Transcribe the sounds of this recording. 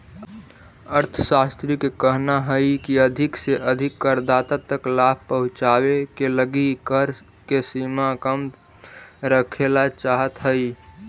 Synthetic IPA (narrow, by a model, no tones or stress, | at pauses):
əɾt̪ʰəsast̪ɾikekəɦnaɦəikiəd̪ʱɪkseʔəd̪ʱɪkːəɾd̪at̪at̪əklab̚ʱpəɦʊ̃t͡ʃawekeləɡikəɾ | kesimakəm | ɾəkʰelat͡ʃaɦət̪ɦəi